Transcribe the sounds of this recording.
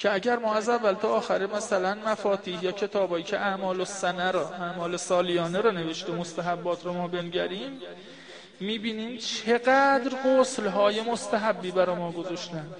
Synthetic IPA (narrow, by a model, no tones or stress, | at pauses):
cʰeæɟæɾmɒːæzævːælt̪ʰɒːʔːxæɾemæsælænmæfɒːt̪ʰiːhjɒːcʰe̞t̪ʰɒːbɒːjiːcʰeʔæʔmɒːlosænæɾɒːʔæʔmɒːle̞sɒːlijɒːneɾɒːne̞ve̞ʃt̪emost̪æɦæbːɒːt̪ʰɾɔmɒːbenɟæɾiːmː | iːbiːniːmt͡ʃʰe̞ɢæd̪ɾɢoslɦɒːje̞most̪æɦæbːiːbæɾɒːmɒːɡo̞zɒʃt̪æn̥